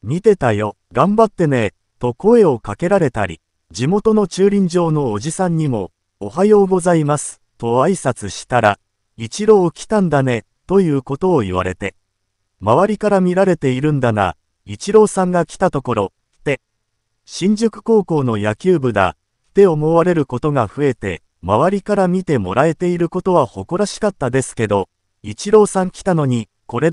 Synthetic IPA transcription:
mʲit̪e̞t̪ajo̞ | ɡãmbat̪ːe̞ne̞ | t̪o̞ko̞e̞o̞kake̞ɾaɾe̞t̪aɾʲḭ | d͡ʑimo̞t̪o̞no̞t͡ɕɨːɾʲĩɲ̟d͡ʑo̞ːno̞ːʑisãɲ̟ːimo̞̰ː | hajoːɡo̞zaimasɨ̥t̪o̞aisat͡sɨɕi̥t̪aɾa̰ | it͡ɕiɾo̞ːkʲi̥t̪ãnd̪ane̞ | t̪o̞jɯ̟ːko̞t̪o̞ːiβ̞a̰ɾe̞t̪e̞ | maβaɾʲikaɾamʲiɾaɾe̞t̪e̞iɾɯ̟̃nd̪aŋa̰ | it͡ɕiɾo̞ːsãŋɡakʲi̥t̪at̪o̞ko̞ɾo̞ | t̪e̞ | ɕĩɲ̟d͡ʑokɯ̟̥ko̞ːko̞ːno̞jakʲɨːbɯ̟d̪a̰ | t̪e̞o̞mo̞βaɾe̞ɾɯ̟ko̞t̪o̞ɡaɸɯ̟e̞t̪e̞̰ | maβ̞aɾʲikaɾamʲit̪e̞mo̞̰ɾae̞t̪e̞iɾɯ̟ko̞t̪o̞βaho̞ko̞ɾaɕi̥kat̪ːad̪e̞sɨ̥ke̞d̪o̞ | it͡ɕiɾo̞ːsãŋkʲi̥t̪ano̞ɲ̟i | ko̞ɾe̞

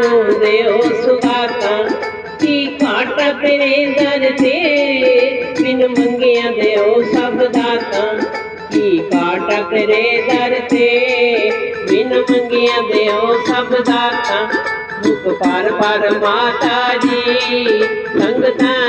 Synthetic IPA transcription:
od̪eosud̪aːt̪ã | kikaːʈak̪eɾed̪ɐɾt̪e | ʋɪnmɐ̃ŋɡijãd̪eosɐbd̪aːt̪ã | kikaːʈak̪eɾed̪ɐɾt̪ʰe | ʋɪnmɐŋɡijãd̪eosɐbd̪aːt̪ã | mʊkpaːɾpaːɾmaːt̪ad͡ʒi | lɐ̃ŋɡt̪ã

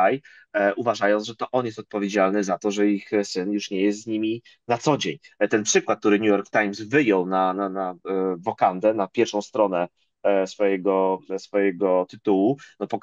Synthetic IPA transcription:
aj | uvaʐajɔ̃nʐɛt̪ɔʔɔnjɛst̪ɔt̪̚pɔvʲjed͡ʑalnɘzat̪ɔʐɛixsɘnjuʂɲɛjɛst̪zɲimʲi | nat̪sɔd͡ʑeɲt̪ɛnpʂɘkwat̪̚ːt̪uɾɘɲujɔɾkt̪ajmsvɘjɔwnananavɔkand̪ɛnapʲjɛɾfʂɔ̃w̃st̪ɾɔnɛ | sfɔjɛɡɔsfɔjɛɡɔt̪ɘt̪uwunɔpɔk

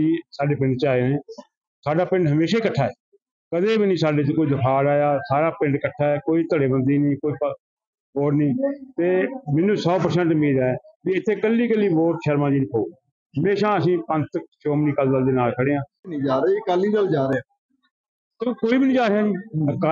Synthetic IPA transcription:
iːsaːɖeːpɪ̃ɳɖ̚t͡ʃaːenẽː | saːɖaːpɪ̃ɳɖɦəmeːʃaːikəʈʰːaːɛː | kəd̪eːbinĩːsaːɖeːt͡ʃkoːiːd̪əkʰaːɽaːjaːsaːɾaːpɪ̃ɳɖkəʈʰːaːɛːkoːiːt̪əɽeːbənd̪iːnĩːkoːiːp | boːʈnĩːt̪eːmɪnːũːsɔːpəɾsɛ̃ːɳʈʊmiːd̪aːɛːkiɪt̪ʰːeːkəlːiːkəlːiːboːʈʃəɾmãːd͡ʒiːnkʰoːu | ɦəmeːʃãːəsĩːpə̃ɲt͡ʃt̪əkʃoːmniːkəld̪əld̪eːnaːlkʰəɽeːãːniːd͡ʒaːɾeːkəliːkəld͡ʒaːɾeaː | t̪oːkoːiːbinĩːd͡ʒaːɾeaːd͡ʒiːəkː

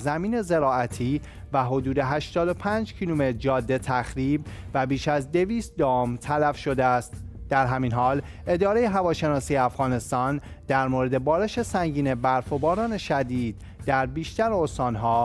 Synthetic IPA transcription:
zæmiːne̞ze̞ɾɒːæt̪ʰiː | væɦo̞d̪uːd̪e̞ɦæʃt̪ɒːd̪o̞pʰæːnd͡ʒcʰilume̞t̪d͡ʒɒːd̪ːe̞t̪ʰæxɾiːbvæbiːʃæzd̪e̞viːst̪̚d̪ɒːmt̪ʰælæfʃo̞d̪eæst̪d̪̥æɾɦæminɦɒːl | ʔe̞d̪ɒːɾe̞je̞ɦævɒːʃe̞nɒːsiːjeæfɣɒːne̞st̪ɒːnd̪̥æɾmoɾe̞d̪e̞bɒːɾe̞ʃe̞sæŋɟiːnebæɾfobɒːɾɒːne̞ʃæd̪iːd̪̚ːæɾbiːʃt̪æɾeost̪ɒːnɦɒː

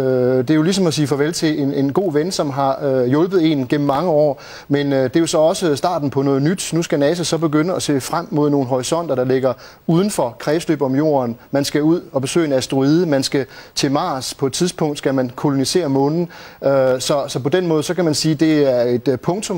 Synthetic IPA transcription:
ød̥e̝jo̝lis̬ɒ̽mɒsiːfɒʋelt͡sʰe̝e̝nenɡ̥o̝̰ːʋensɒ̽mɦɑ̈øjɔ̽lb̥ð̩ˠe̝nɡ̥em̰m̩ːɑ̈ŋəɒ̰ː | menød̥e̝jo̝sɒ̽ɒ̽səsd̥ɑ̰̈ːd̥n̩pʰɒ̽nɔ̽ːð̩ˠnyd̥nusɡ̥ænɛːsɐsɒ̽b̥e̝ɡ̥ønəɒse̝̰ːfʁam̰mːo̝ð̞̰ˠno̝ːn̩ɦɒʁisɒ̽n̰d̥ɐɾ̥ɑ̈le̝ɡ̥ɐ | uːð̞ˠn̩fɒ̽kʰʁɛːsd̥ø̰ːb̥ɒ̽mjo̝̰ːɐnmænsɡ̥æuð̞̰ˠɒ̽b̥e̝sø̰ːe̝næsd̥ʁuið̞ˠəmænsɡ̥æt͡sʰe̝mɑ̈ːspʰɒ̽e̝d̥̚t͡sʰiðˠspʰɔ̽ŋ̰d̥sɡ̥æmænkʰo̝lo̝nise̝̰ːɐmɔ̽ːnn̩øsɒ̽sɒ̽pɒ̽d̥enmɔ̽ːð̞̩ˠsɒ̽kʰæmænsiːd̥e̝æɐe̝d̥pʰɔ̽ŋt͡sʰɔ̽m

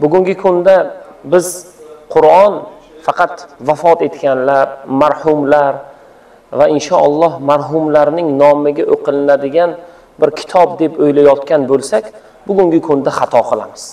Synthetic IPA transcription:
bʊɡʲʊŋɡʲɪkʰʊnd̪abɪzqʰʊɾɒn | fɑqɑt̪vafɒt̪e̞t̪kʲanlaɾmaɾhʊmlaɾ | vaɪnʃɒalˠːɒhmaɾɦʊmlaɾnɪŋnɒmɪɡʲaʔoqɨlɪnad̪ɪɡʲan | bɪɾkʲʰɪ̥t̪ʰɒb̚d̪e̞pojlajɒt̪̚kʲanbolˠsakʲ | bʊɡʲʊŋɡʲɪkʰʊnd̪aχɑt̪ʰɒqʰɨlˠa̰mɪz̥

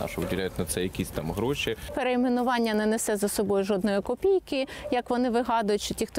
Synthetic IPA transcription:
nɑ̰ʃʊʋɪdʲɪlʲæjʊt̪ʲnɐt̪sɛjɐkʲisʲt̪ɑmɦɾɔʃʲipeɾeimenʊʋɑnʲːɐnɛnɛsɛzɐsɔbɔjʊʒɔd̪nɔjikɔpʲijkɪjɐkʋɔnɪʋɪɦɑd̪ʊjʊtʲt͡ʃɔtʲixt̪

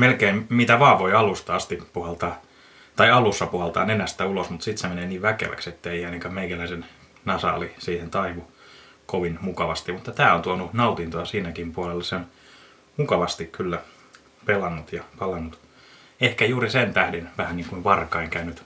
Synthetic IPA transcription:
melkeimmit̪æʋɑːʋʋoiɑlust̪ɑɑst̪ippuhelt̪ɑː | t̪ɑiɑlusːɑpuhelt̪ɑ̰ːnenæst̪æulosmut̪sit̪semeneːniːʋʋækḛʋæ̰kset̪ːeiɑineŋkæmeikælæisen | nɑsɑ̰ːlisiːhent̪ɑiʋu | koʋinmukɑʋɑst̪imut̪ːɑt̪æːont̪uonunɑut̪int̪oɑsiːnækimpuolelːɑseon | mukɑʋɑst̪ikkylːæ | pelɑnːut̪jɑpɑlɑnːut̪ | ehkæjuːrisent̪æhdenʋæhænniːŋkuiʋʋɑrkɑiŋkæynyt̪

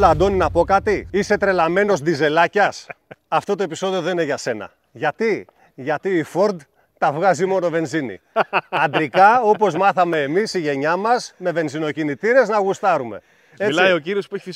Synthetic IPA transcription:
lɐd̪o̞ninɐpo̞kɐt̪iise̞t̪ɾe̞lɐme̞no̞zd̪ize̞lɐcɐsɐft̪o̞t̪o̞episo̞ðio̞ðenine̞ʝɐse̞nɐ̰ | ʝɐt̪i | ʝɐt̪iːfoɾd̪ | t̪ɐvɣɐzimo̞no̞ve̞nzinḭɐnd̪ɾikɐo̞po̞zmɐθɐme̞ːmisiʝe̞ɲɐmɐzme̞ve̞nzino̞cinit̪iɾe̞znɐɣust̪ɐɾume̞̰ | elɐjo̞ciɾio̞spueçi

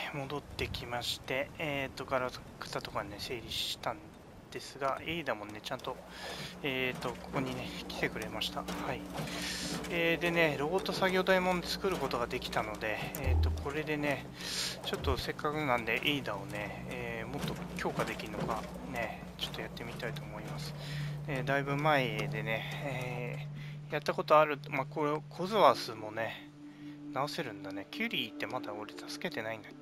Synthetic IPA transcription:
mo̞d̪o̞t̪ːe̞kʲimaɕi̥t̪e̞et̪ːo̞kaɾakɯ̟̥t̪at̪o̞kane̞se̞ːɾʲiɕi̥t̪ãn | d̪̥e̞sɨɡaeid̪amo̞ne̞t͡ɕãnt̪o̞ | eːt̪ːo̞ko̞̥ko̞ɲ̟ine̞kʲi̥t̪e̞kɯ̟ɾe̞maɕi̥t̪ahai | eːd̪e̞ne̞ɾo̞bot̪ːo̞saɡʲo̞ːd̪aimõ̞nt͡sɨ̥kɯ̟ɾɯ̟ko̞t̪o̞ɡad̪e̞kʲi̥t̪ano̞d̪e̞ːt̪ːo̞kʰo̞ɾe̞d̪e̞ne̞ | t͡ɕo̞t̪ːo̞se̞kːakɯ̟nãnd̪e̞ʔeid̪ao̞ne̞ | eːmo̞t̪ːo̞kʲo̞ːkad̪e̞kʲiɾɯ̟no̞ɡa | ne̞ | t͡ɕo̞̥t̪ːo̞jat̪ːe̞mʲit̪ait̪o̞ːmo̞imasɨ̥d̪ed̪aibɯ̟maed̪e̞ne̞e | jat̪ːako̞t̪o̞aɾɯ̟makoɾkʰozɨβasɨmo̞ne̞ | nao̞se̞ɾɯ̟̃nd̪ane̞kʲʰɯːɾʲiːt̪ːe̞mad̪ao̞ɾe̞t̪ʰasɨ̥ke̞t̪e̞naĩnd̪a

